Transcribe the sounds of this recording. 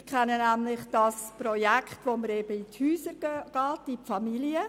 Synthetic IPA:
kʰχɛnːənæmlɪχd̥ɑsprɔjækʰχtʋoməɾeːbəithyːsəɡ̥ɑːtifɑmiliə

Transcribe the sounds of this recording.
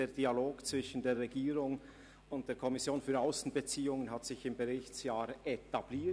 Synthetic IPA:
eːɐd̥ialoːɡt͡sv̥ɪʃən̩deːʁɛɡiːʁʊŋ | ʊnt̚d̥eːɐkʰɔmɪsjoːnfyːɐaʊsn̩bət͡siːʊŋənɦatz̥ɪçɪmbɛʁɪçtt͡sjaːɾetab̥liː

